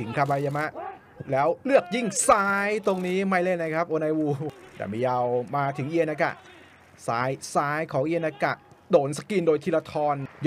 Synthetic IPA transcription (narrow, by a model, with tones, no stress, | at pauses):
t̪ʰɯ˩˦ŋkʰa˧ba˧ja˧ma˦˥ʔ | lɛː˦˥wlɯ˥˩ək̚ji˥˩ŋsaː˦˥jt̪o˧ŋniː˦˥ma˥˩jle˥˩nːa˧˥kʰa˦˥p̚ʔoː˧na˧jwuː˧dɛ̰˨˩miː˧ja˧wmaː˧t̪ʰɯ˩˦ŋʔi˧əna˦˧ka̰˧˩ʔ | saː˦˥jsaː˦˥jkʰɔː˩˦ŋʔi˧əna˧˩ka̰˨˩ʔdoː˨˩nsa˧ki˧ndoː˧jt̪ʰiː˧˩la˧t̪ʰɔː˧nj